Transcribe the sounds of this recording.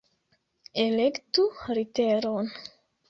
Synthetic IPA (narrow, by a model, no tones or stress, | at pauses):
elekt̪uɾit̪eɾon